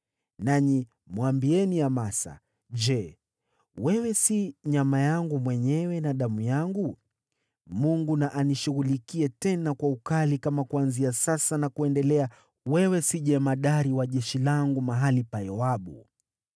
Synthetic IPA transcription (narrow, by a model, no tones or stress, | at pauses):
naɲi | mwambiɛniamasa̰ | ʄɛ | wɛwɛsiɲamajaŋɡumwɛɲɛwɛnaɗamujaŋɡu | muŋɡunaʔaniʃuɣulikiɛtɛnakwaukalikamakwanziasasanakuɛndɛlɛa | wɛwɛsiʄɛmaɗaɾiwaʄɛʃilaŋɡumaɦalipajɔwaɓṵ